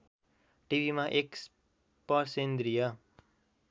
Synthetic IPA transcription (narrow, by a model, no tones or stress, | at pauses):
ʈibʱimaʔeks | pʌɾsend̪ɾijʌ